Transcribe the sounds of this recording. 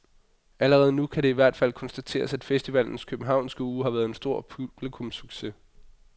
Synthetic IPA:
æləʁɛːð̞̩ˠənukʰæɾ̥e̝iʋæɐ̰d̥fæl̰kʰɒ̽nsd̥æt͡sʰe̝̰ːɐsæd̥fesd̥iʋæl̰n̩skʰøb̥n̩ɦɑ̈ʊ̰nsɡ̥əuːɦɑ̈ʋæːɐð̞̩ˠe̝nsd̥o̝ɐ̰pʰub̥likʰɔ̽msyɡ̥se̝

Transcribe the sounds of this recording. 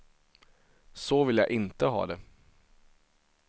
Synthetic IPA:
soːʋɪljæɪʔɪnt̪əhɑ̰ːd̪eː

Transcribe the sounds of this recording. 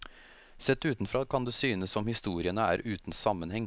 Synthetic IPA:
sɛt̪ːʉːt̪n̩fɾoːkʰɑnd̪eːsyːnəsɔmhɪst̪uːɾɪənəæːɾʉːt̪n̩sɑmːənhɛŋ

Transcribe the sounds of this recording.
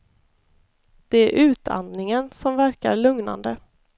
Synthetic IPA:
d̪̥ɛæɾʔʉ̟ːt̪ʰa̰nd̪nɪŋənsɔmvæɾka̰ɾɭɵŋna̰nd̪ə

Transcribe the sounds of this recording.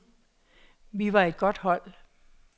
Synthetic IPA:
ʋiʋaːɛt̚ɡ̥ɔthɔl

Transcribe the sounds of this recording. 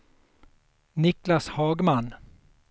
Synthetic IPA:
nɪklashɑːɡman

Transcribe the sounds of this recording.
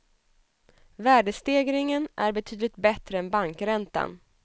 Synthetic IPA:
væːɖəst̪eːɡɾɪŋənʔæɾbɛt̪ʰyːd̪lɪt̪̚bɛt̪ɾəɛnbaŋkɾɛnt̪a̰n

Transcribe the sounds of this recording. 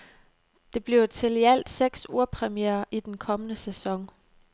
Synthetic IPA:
d̥e̝b̥le̝ʊt͡sʰe̝ljæl̰d̥seɡ̥suɐ̰pʰʁɛmjḛːɐʔid̥enkʰɒ̽mənəsesɒ̽ŋ

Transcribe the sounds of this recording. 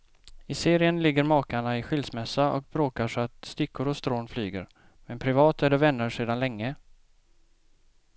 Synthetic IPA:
ɪseːɾɪənlɪɡːəɾmɑːkaɳaɪɧɪlsmɛsːaʔɔ̰k̚b̥ɾoːkaʂɔat̪st̪ɪkʰːʊɾɔst̪ɾoːnflyːɡə̰ɾ | mɛnpʰɾɪvɑːt̪æɖɛvɛnːəʂeːd̪anlɛŋːə

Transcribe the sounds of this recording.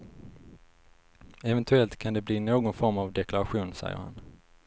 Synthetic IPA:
ɛvɛnt̪ʰɵɛlt̪kʰand̪ɛbliːnoːɡɔnfɔɾmavd̪ɛkʰlaɾaɧuːnsɛ̰jːə̰ɾha̰n

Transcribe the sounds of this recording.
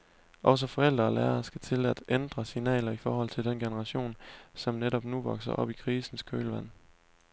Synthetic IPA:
ʔɒ̽s̬ɒfɒ̽el̰d̥ʁɐ̽ːlæːɐsɡ̥æt͡sʰe̝læd̥end̥ʁɐsinɛ̰ːlɐifɒːɦɒ̽l̰t͡sʰe̝ld̥enɡ̥e̝nəɐʁɑ̈ɕo̝̰ːnsɒ̽mneɾɒ̽b̥nuʋɒ̽ɡ̥sɐʔɒ̽b̥ikʰʁiːsn̩skʰøːləʋæn̰

